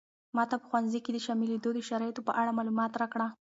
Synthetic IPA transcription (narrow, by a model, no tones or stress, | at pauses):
mɑt̪apə̥xwanzijked̪əʃɑmɪled̪od̪əʃaɾɑjet̪opəʔaɽamɑlumɑt̪ɾɑkɽa